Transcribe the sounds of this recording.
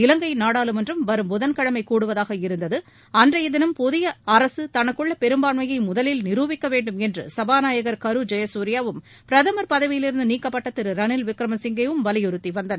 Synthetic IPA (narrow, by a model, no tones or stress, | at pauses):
ɪlɐŋɡɐɪnaːɽaːlɯmɛndrɯmʋɐɾɯmbʊðɐnkɐɻɐmɐɪkuːɽɯʋɐðaːɣɐɪɾɯnd̪ɐðɯ | ɐndrɐɪðɪnɯmpɔðɪjɐɐɾɐsɯt̪ɐnɐkːɯɭːɐpɛɾɯmbaːɳmɐjɐɪmʊðɐlɪlnɪɾuːʋɪkːɐʋeːɳɖɯmɛndrɯ̰sɐbaːnaːjɐɣɐɾkɐɾɯd͡ʒɐjɐsuːɾɪjaːʋɯm | pɾɐðɐmɐɾpɐðɐʋɪjɪlɪɾɯnd̪ɯniːkːɐpːɐʈːɐt̪ːɪɾɯɾɐnɪlʋɪkɾɐmɐsɪŋɡɐʋɯmʋɐlɪjɯɾɯt̪ːiʋɐnd̪ɐn